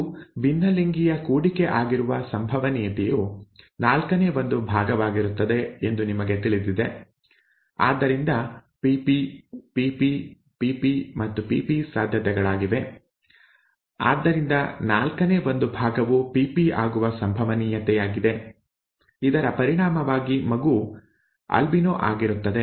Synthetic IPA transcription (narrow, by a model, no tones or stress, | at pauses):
ʋinːɐliŋɡijɐkuːɽikeʔaːɡiɾuʋɐsɐmbʱɐʋɐniːjɐt̪ɛjunaːlkɐneːʋo̞nd̪ubʱaːɡɐʋaːɡiɾut̪ːɐd̪e̞end̪unimɐɡe̞t̪iɭid̪id̪e̞ | a̰ːd̪ːɐɾind̪ɐpipipiːpi | piːpimɐt̪ːupiːpisaːd̪ʱjɐt̪ɛɡɐɭaːɡiʋe̞ | a̰ːd̪ːɐɾind̪ɐnaːlkɐneːʋo̞nd̪ubʱaːɡɐʋupipiaːɡuʋɐsɐmbʱɐʋɐniːjɐt̪ɛjaːɡid̪e̞ | id̪ɐɾɐpɐɾiɽaːmɐʋaːɡimɐɡuː | ɐ̰lbinoːʔa̰ːɡiɾut̪ːɐd̪e̞